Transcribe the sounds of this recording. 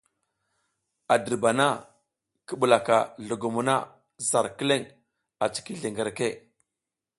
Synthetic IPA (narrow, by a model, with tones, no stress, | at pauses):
a˨də˨ɾba˨na˦ | kə˦ɓu˨la˨ka˨ɮu˨ɡu˨mu˨na˦ | za˨ɾki˦le˦˨ŋ | a˨t͡si̥˨ki˦ɮe˨ŋɡə˨ɾke˦˨